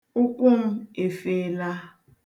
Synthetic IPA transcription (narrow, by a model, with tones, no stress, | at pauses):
ʊ˦kʊ˦m̩˦e˨feː˦˨˦la˦